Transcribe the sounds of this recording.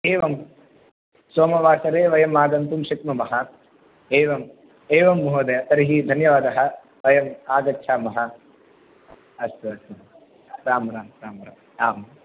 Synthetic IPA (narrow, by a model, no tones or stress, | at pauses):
eːʋɐm | soːmɐʋaːsɐɾeːʋɐjɐmaːɡɐnt̪umʃɐkmɐmɐɦɐ | eːʋɐm | eːʋɐmːuɦɐd̪ɐjɐt̪ɐɾiɦid̪ʱɐnjɐʋaːd̪ɐɦɐ̆ | ʋɐjɐmaːɡɐtːt͡ʃʰaːmɐɦɐ | ɐst̪ɐsɐ | ɾaːmɐɾaːɾaːmɐɾa̰ː | aːm